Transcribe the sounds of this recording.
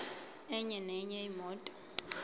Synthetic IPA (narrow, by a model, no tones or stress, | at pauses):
ɛɲɛnɛɲɛimɔːtʼɔ̥